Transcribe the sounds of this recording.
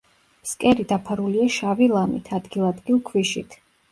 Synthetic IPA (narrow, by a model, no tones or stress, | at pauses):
skʼɛɾid̪apʰaɾuliaʃavilˠamḭt̪ʰad̪ɡilˠad̪ɡilˠkʰviʃit̪ʰ